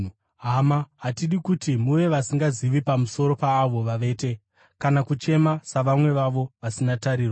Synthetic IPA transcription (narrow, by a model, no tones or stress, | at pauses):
ɦamaɦatiɗikutimuʋe̞ʋasiŋɡaziʋipamuso̞ɾo̞paːʋo̞ʋaʋe̞ːte̞ | kanakut͡ʃe̞masaʋamwe̞ʋaʋo̞ʋasinataɾiːrwa